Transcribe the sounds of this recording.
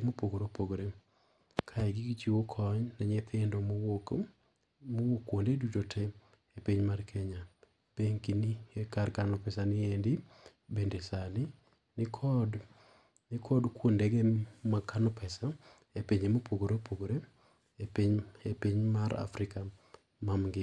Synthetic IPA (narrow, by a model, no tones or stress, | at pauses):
mopoɡoɾopoɡoɾe | kʰaɛɡiɡt͡ʃiwokʰɔɲnaɲet̪ʰɪndom | mowokːwondedutotʰe | epiɲmarkʰɛɲa | peɲkiniekarkanʊpɛsanɪendi | bendesanɪ | nɪkʰɔd | nɪkʰɔdkwondɛɡemakanɔpɛsa | epeɲemopoɡoɾepʰoɡoɾe | epiɲepiɲmaɾa̰fɾɪka | mamɡɪ